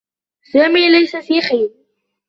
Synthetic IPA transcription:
saːmiːlajsafiːxiːɾ

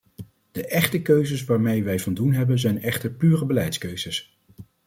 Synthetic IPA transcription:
d̥əʔɛχtəkøɥzəsʋaːɹmejʋɛjvɑndunɦɛbənzɛjnɛχtəɹpyːrəbəlɛjtskøɥz̥əs

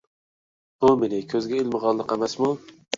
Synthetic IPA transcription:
b̥umenɪkʲʰøzɡʲɛelməʁɑlˠːəqemɛsmu

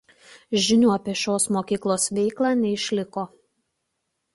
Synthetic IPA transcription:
ʒʲɪnʲuːɐpʲɛʃʲoːsmoːkʲiːklˠoːsʋʲɛɪklˠɑːnʲɛɪʃʲlʲɪkoː

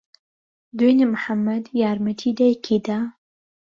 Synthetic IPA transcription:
d̪wenemħamːɐd̪jaːɾmɐt̪ʰid̪ajkʰid̪a

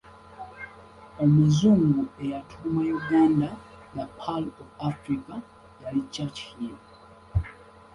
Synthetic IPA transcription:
omuzuŋɡuejatʰumajoɡanda | ðapʰalɔvafɾika | jalit͡ʃat͡ʃhi

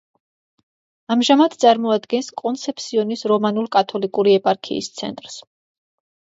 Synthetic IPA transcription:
amʒamad̪t̪sʼaɾmɔad̪ɡɛnskʼɔnt̪sʰɛpʰsiɔnisɾɔmanuɾkʼat̪ʰɔlikʼuɾiɛpʼaɾkʰḭːst̪sʰɛ̰nt̪ʼɾs

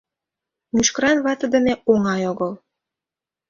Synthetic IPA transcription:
myʃkəɾɑnβɑt̪ə̆d̪ə̆neoŋɑjoɣɤl

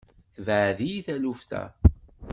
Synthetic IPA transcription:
θəvʕðijiθæluft̪æ̰

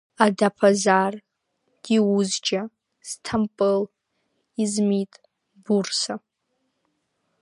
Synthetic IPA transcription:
adapʰazar | ɡ̥iuzd͡ʒa | z̥tʰampʼɨl | izmitʼ | bursa

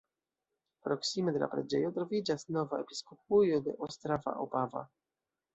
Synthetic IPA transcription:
pɾoksimed̪ela̰pɾad͡ʒejot̪ɾovid͡ʒasnovaepi̥skop̚ujod̪ḛʔost̪ɾava̰ʔo̰pava̰

